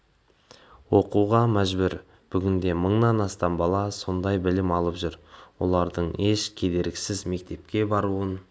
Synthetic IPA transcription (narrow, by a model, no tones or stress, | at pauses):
wo̞quʁɑmæʒbʏɾ | b̥ʏɡʲɪnd̪e̞məɴnɑnɑst̪ɑmbɑlˠɑso̞nd̪ɑjbɪlɪmɑlˠəpʒʏɾwo̞̰lˠɑɾd̪əɴe̞ʃkʲʰe̞d̪e̞ɾɡʲɪsɪzme̞k̚t̪e̞pkʲe̞bɑɾuən